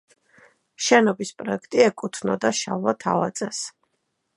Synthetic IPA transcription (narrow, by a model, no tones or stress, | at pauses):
ʃɛnɔbispʼɾɔɛkʰt̪ʼiɛkʼut̪ʰnɔd̪aʃavlˠat̪ʰa̰vat̪sʼɛs